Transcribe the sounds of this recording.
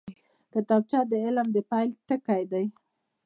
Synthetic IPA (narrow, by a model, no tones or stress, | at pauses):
kət̪ab̚t͡ʃɑd̪əɪlmd̪əpɑjlʈəkajd̪aj